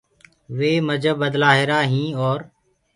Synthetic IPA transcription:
ʋeːməd͡ʒəbəd̪laːɦeːɾaːɦĩːɔːɾ

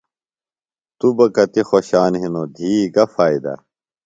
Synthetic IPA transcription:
t̪ubɐkɐt̪ixoɕaːnɦinod̪ʱiːɡɐfaːid̪ɐ̰

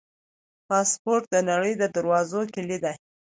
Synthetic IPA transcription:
pɑspoɾt̪̚d̪ənaɽəjd̪əd̪aɾwɑzokelid̪a

